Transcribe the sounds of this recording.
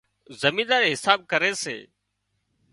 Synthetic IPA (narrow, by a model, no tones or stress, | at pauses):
zəmĩːd̪aːɾeːɦɪsaːb̚kəɾeːsḛː